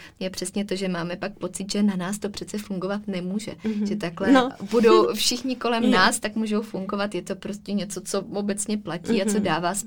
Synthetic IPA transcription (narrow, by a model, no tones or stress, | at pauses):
jɛpr̥ɛsɲɛt̪o̞ʒɛmaːmɛpak̚po̞t͡sɪt̪ʒɛnanaːst̪o̞pr̝̥ɛt͡sɛfuŋɡo̞vat̪nɛmuːʒɛ̰ʒɛt̪aklɛbudo̞wfʃɪxɲɪko̞lɛmnaːst̪akmuːʒo̞wfuŋɡo̞vat̪jɛt̪opɾo̞scɛɲɛt͡so̞t͡so̞obɛt͡sɲɛplaciːat͡so̞daːvaːs